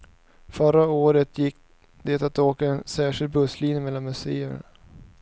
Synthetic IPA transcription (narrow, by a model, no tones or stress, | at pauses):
fœɾaoːɾət̪jɪkː | d̪eːt̪at̪oːkaɛnsæːʂɪld̪̚bɵsliːnjəmɛlːanmɵseːə̰n